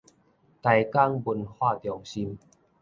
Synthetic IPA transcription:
t̪a˧jka˥˧˨ŋbu˧nhwaː˥˩t̪jŋɕi˧m

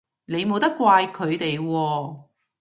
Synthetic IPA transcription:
ne˨˧jmo˨wt̪ɐ˥kːʷaː˧jkʰɵ˨˧ɥt̪e˨jwɔː˧

